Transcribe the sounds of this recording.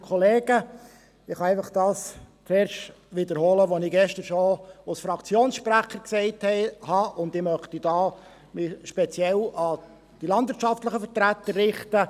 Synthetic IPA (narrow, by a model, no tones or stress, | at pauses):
kʰɔleːɡə | ɪχɑɛɪfɑχd̥ɑːst͡seːɾʃt | ʋɪd̪əɾhɔːləʋɔnɪɡɛʃtəɾʃoalsfɾɑkt͡sjoːnsʃpɾæχəɾksɛɪthɛɪhɑʔʊndɪmœχt̪idɑː | mɪʃpɛt͡sjɛlɑ | d̥ilɑndʋɪɾtt͡ʃɑftləχəfəɾt̪ɾæt̪əɾːɪχt̪ə